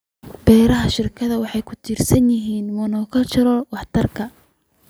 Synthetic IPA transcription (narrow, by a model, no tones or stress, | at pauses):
b̥ɛːɾɐɦɐʃɪrkʰɐðɐwɑħɑjkʰʊt̪ʰiːrsɐnjɪɦiːnmɐnɔːkʰɐt͡ʃɐɾɔwɑħt̪ʰɐrkʰɐ